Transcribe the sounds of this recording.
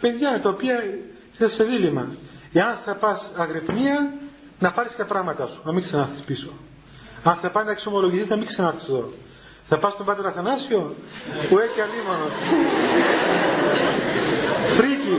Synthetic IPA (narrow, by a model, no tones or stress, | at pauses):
pe̞ðʝɐt̪ɐopiɐ | isɐsːe̞ðilimɐeɐnθɐpɐsɐɣɾepniɐ | nɐpɐɾiskt̪ɐpɾɐɣmɐt̪ɐsu̥nɐmiksɐnɐθi̥spiso̞ | ɐnθɐpɐznɐeksomo̞loʝiθiznɐmiksɐnɐɾθi̥seðo̞ | θɐpɐst̪ombɐt̪eɾɐθɐnɐsio̞ueceɐlimono | fɾici